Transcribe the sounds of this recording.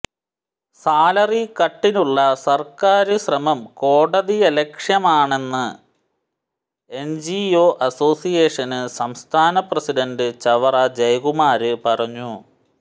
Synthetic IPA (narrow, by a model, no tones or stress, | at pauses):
saːlɐrikɐʈːinuɭːɐsɐrkaːɾɨɕrɐmɐmko̞ːɽɐðijɐlekʂjɐmaːɳe̞nːɨ | end͡ʑioːʔɐso̞ːsijeːʂɐnɨsɐmst̪ʰaːnɐprɐsiɖɐndɨt͡ɕɐʋɐrɐd͡ʑɐjɣumaːɾɨpɐrɐɲːu